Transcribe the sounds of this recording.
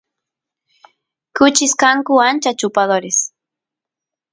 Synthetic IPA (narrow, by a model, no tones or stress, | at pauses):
kʊt͡ʃɪskaŋkʊant͡ʃat͡ʃʊpaðoɾɪs